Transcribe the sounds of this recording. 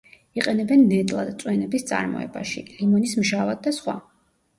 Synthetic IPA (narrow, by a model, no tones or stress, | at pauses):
iqʼɛnɛbɛnːɛt̪ʼlˠad̪t̪sʼwɛnɛbist̪sʼa̰ɾmɔ̰ɛ̰baʃḭlimɔnismʒavad̪̚d̪asχwa̰